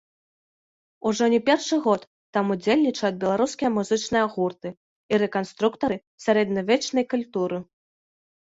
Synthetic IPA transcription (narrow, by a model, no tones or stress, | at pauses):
uʐɔnʲɛpʲɛrʂɨɣɔt̪ːamud͡zʲelʲnʲit͡ʂɐjɐd̪̚bʲɛlˠaɾuskʲijɐmuzɨt͡ʂnɨjɐɣurt̪ɨ | iɾɛkanst̪ɾukt̪ɐɾɨ | sʲaɾɛd̪nɐvʲɛt͡ʂnɐjkulʲt̪uɾɨ